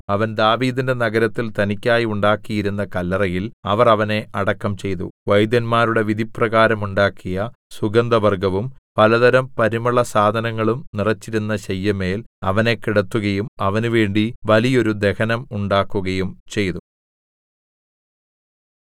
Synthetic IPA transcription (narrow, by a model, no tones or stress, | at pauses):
ɐʋɐnd̪aːʋiːd̪inde̞nɐɡɐɾɐt̪ːilt̪ɐnikʲːaːjiuɳɖaːkːijiɾun̪ːɐkɐlːɐrɐjilɐʋɐrɐʋɐne̞ʔɐɽɐkːɐmt͡ɕe̞jt̪ṵʋɐjd̪ɐnmaːɾuɽe̞ʋid̪ʱiprɐɣaːɾɐmuɳɖaːkːijɐ | suɡɐnd̪ɐʋɐrɡɐʋumpɐlɐd̪ɐɾɐmpɐɾimɐɭɐsaːd̪ʱɐnɐŋːɐɭumnirɐt͡ɕːiɾunːɐɕɐjːɐme̞ːlɐʋɐne̞kiɽɐt̪ːuɣɐjumɐʋɐnuʋe̞ːɳɖiʋɐlijo̞ɾud̪e̞hɐnɐmuɳɖaːkːuɣɐjumt͡ɕe̞jt̪u